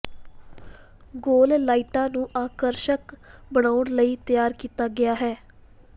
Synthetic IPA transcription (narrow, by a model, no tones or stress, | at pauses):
ɡoːllaːiːʈãːnũːʔaːkəɾʃəkbəɽ̃aːʊɳləiːt̪ɪjaːɾkiːt̪aːɡɪaːɦɛː